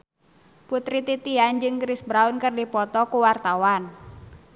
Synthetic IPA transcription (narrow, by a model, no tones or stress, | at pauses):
put̪ɾit̪it̪iand͡ʒɨŋkɾisbɾaʊnkərdipɔt̪ɔkuwart̪awan